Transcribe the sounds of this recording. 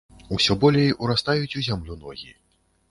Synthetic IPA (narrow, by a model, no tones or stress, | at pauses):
usʲɔbɔlʲejuɾast̪ajut͡sʲuzʲamlʲunɔɣʲḭ